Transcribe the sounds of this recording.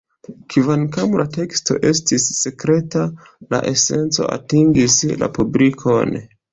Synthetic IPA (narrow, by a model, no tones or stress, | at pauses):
kʰivankamlate̞ksto̞̰ʔe̞stisːe̞kɾe̞ta | la̰ʔe̞se̞nt͡so̞̰a̰tiŋɡisla̰pubɾikʰon